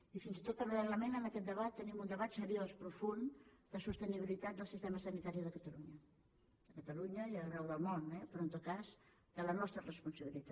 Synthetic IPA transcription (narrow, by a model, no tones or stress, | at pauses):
ifinzit̪ot̪pəɾenləmenəməkɛt̪̚d̪əβat̪ːənimund̪əβat̪səɾiospɾufund̪̥əsust̪əniβilit̪at̪̚d̪əlˠsist̪ɛməsənit̪aɾiðəkət̪əluɲə | əkət̪əluɲəiərɛwðəlˠmonɛpɾont̪okaz | d̪̥ələnɔst̪ɾərəspunsəβilit̪a